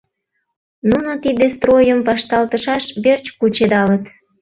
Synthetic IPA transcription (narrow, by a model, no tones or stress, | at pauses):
nunot̪id̪est̪rojəmpɑʃt̪ɑlt̪əʃɑʃβert͡ɕkut͡ɕed̪ɑlət̪